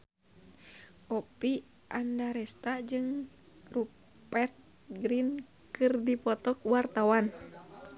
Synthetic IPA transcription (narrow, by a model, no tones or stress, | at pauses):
ʔɔpi | ʔandaɾɛst̪ad͡ʒɨŋ | ru | pɛrt̪̚ | ɡɾin | kɨrdipɔt̪ɔk̚wart̪awan